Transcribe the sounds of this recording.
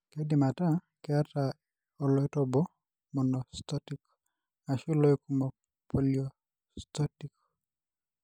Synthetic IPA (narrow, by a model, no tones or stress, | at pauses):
kedimata | kɛata | ɔlɔjtɔbɔ | mɔnɔst̪ɔtik | asilɔjkumɔ | pʰɔliɔ | sst̪ɔtik